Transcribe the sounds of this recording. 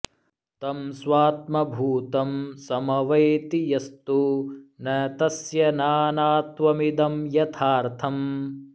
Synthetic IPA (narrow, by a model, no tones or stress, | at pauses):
t̪ɐmswaːt̪̚mɐbʱuːt̪ɐmsɐmɐʋɐjt̪ijɐst̪unɐt̪ɐsjɐnaːnaːt̪ʋɐmid̪ɐmjɐt̪ʰaːɾt̪ʰɐm